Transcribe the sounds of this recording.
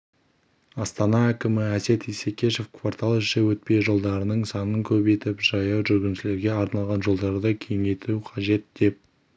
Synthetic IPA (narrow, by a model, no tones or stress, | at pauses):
ɑst̪ɑnɑækʲɪmɪæse̞t̪ijsekʲe̞ʃe̞fkʰvart̪ʰɑlˠʃewɵt̪̚pe̞jʒo̞lˠd̪ɑɾənəɴsɑnəŋkʲʰɵbejt̪ɪpʒ̥ɑjɑwʒʏɾɡʲɪnʃɪle̞ɾɡʲe̞ɑɾnɑlˠʁɑnʒo̞lˠd̪ɑɾd̪əkʲʰe̞jɪŋet̪uqʰɑʒe̞t̪̚d̪̥e̞p̚